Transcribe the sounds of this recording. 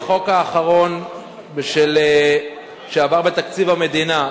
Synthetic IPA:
χo̞kaːχaʁo̞n | bʃel | ʃeavaʁbet̪akt͡sivame̞d̪ina

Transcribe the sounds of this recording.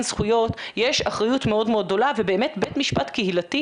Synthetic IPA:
nzχujo̞t̪jeʃaχʁajutmeo̞dmeo̞d̪̚ːo̞lavebeːmetbetmiʃpatkehilati

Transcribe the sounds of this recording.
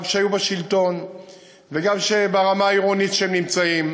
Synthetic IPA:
mʃeajubaʃilt̪o̞n | veɡamʃebaʁamaːiʁonitʃehemnimt͡saim

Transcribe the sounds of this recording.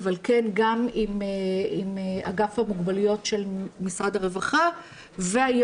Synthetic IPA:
valkenɡamimeimea̰ɡafhamuɡbalujo̞tʃe̞lmisʁad̪aʁevaχa | veaj

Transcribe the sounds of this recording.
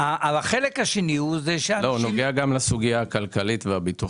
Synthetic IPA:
aʔalaχelekhaʃeniuzeʃealonoɡeaɡamlasuɡijaːkalkalitveabitu

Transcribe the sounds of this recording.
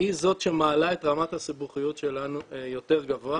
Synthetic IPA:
izo̞tʃe̞maːlae̞t̪ʁamathasibuχijotʃe̞lanujo̞te̞ʁɡavo̞a

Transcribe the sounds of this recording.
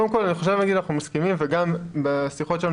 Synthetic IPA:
od̪emko̞laniχoʃ̬evnaɡid̪anaχnumaskimimveɡambesiχo̞tʃela

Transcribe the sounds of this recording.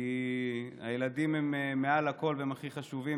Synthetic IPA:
i | a̰jeladimemmːe̞alako̞lveemaχiχaʃuvi

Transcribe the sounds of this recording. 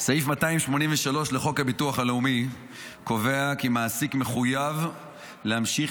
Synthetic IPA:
saifmataimʃmo̞niɱveʃalo̞ʃleχo̞khabituaχaleumi | ko̞ve̞akemaːsikme̞χujav | lehamʃi

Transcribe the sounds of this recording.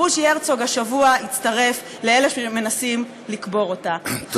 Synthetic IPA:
uʃeʁt͡soɡaʃavuait͡staʁe̞f | leele̞ʃeme̞nasim | likbo̞ʁota

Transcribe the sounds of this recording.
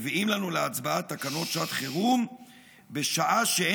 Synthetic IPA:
viimlanuleat͡sbaat̪ːakano̞tʃat̪χeʁum | beʃaʔaʃee

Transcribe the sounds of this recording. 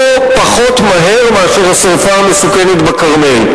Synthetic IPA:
o | paχo̞tmaɦe̞ʁmeaʃeʁhasaʁfaːmesukenet̪bakaʁmej

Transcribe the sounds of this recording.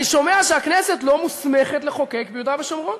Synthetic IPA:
iʃo̞meaʃeakneset̪lomusmeχet̪leχo̞kekbejud̪abeʃomʁon

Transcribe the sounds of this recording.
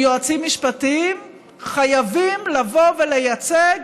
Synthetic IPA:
joat͡simːiʃpatim | χajavimlavo̞velejat͡seɡ

